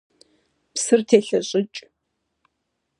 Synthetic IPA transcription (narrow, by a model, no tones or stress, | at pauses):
psɨrtʰeːɬɐɕʼɪt͡ʃʼ